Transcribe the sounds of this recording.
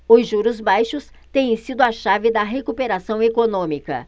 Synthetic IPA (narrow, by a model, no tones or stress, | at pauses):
ʊzʒuɾʊzbajʃʊs | t̪ẽj̃ẽsid̪ʊɐʃavɪd̪ɐɦekupeɾasɐ̃w̃ekonõmikɐ̰